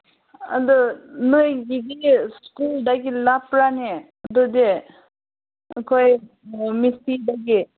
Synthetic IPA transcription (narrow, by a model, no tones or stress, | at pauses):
ad̪ɯnɯjɡidiskuldaɡilapɾane | d̪ɯde | kʰɔj | misidaɡi